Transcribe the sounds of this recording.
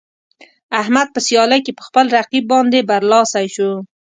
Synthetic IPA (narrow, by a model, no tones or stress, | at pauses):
ahmad̪̚pəsjɑlajkepə̥xpəlɾaqibːɑnd̪ebaɾlɑsajʃo